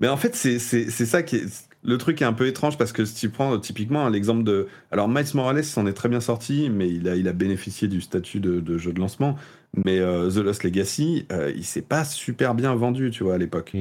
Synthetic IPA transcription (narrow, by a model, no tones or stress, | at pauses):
mɛɑ̃fɛt̪sɛsɛsɛsakʲɛ | lət̪χykɛt̪ɛ̃pøet̪χɑ̃ʒpaʁsə̥kəsi̥t̪ypχɑ̃t̪ʰipik̬mɑ̃lɛɡzɑ̃pld̪ə | alɔʁmajsmɔʁalɛsɑ̃nɛt̪χɛbjɛ̃sɔʁt̪ʰimɛilailabenefisjed̪yst̪at̪ʰyd̪əd̪əʒød̪lɑ̃smɑ̃ | mɛøzəlɔsleɡasiø̰ḭlsɛpasypɛʁbjɛ̃vɑ̃d̪yt̪yvwaːlepɔk